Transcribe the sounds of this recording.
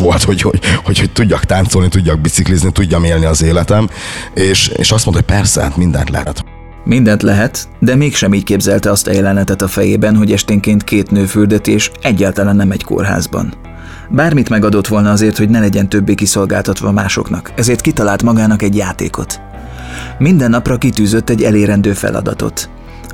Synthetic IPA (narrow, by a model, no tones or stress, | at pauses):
ʋolt̪hoɟhohochoc̚t̪uɟːɒkt̪aːnt̪solnit̪uɟːɒɡ̚bit̪sikliznit̪uɟːɒmeːlniɒzeːlɛt̪ɛmeːʃḛːʃɒst̪mono̥pɛrsɛ̰t̪mind̪ɛ̰nt̪lɛ̰ht̪ | mind̪ɛnt̪lɛɦɛt̪d̪ɛmeːkʃɛmiːckeːbzɛlt̪ɛɒst̪ɛ̰jɛlɛnɛt̪ɛt̪ɒfɛjeːbɛnɦo̞ɟɛʃt̪eːŋkeːnt̪kʰeːt̪nøːfyrd̪ɛt̪eːʃɛɟːaːlt̪ɒlanːɛmɛɟko̰rɦa̰ːzbɒ̰n | baːrmit̪mɛɡɒd̪o̞t̪ʋo̞lnɒɒzeːrt̪ho̞ɟnɛlɛɟɛnt̪øbːeːkiso̞lɡa̰ːlt̪ɒt̪ʋɒmaːʃo̞̰knɒkɛzeːrt̪kit̪ɒlaːlt̪mɒɡaːnɒkɛɟjaːt̪eːko̞t̪ | mind̪ɛnːɒprɒkit̪yːzø̞t̪ːɛɟːɛleːɾɛnd̪øːfɛ̰lʔɒ̰d̪ɒ̰t̪o̞̰t̪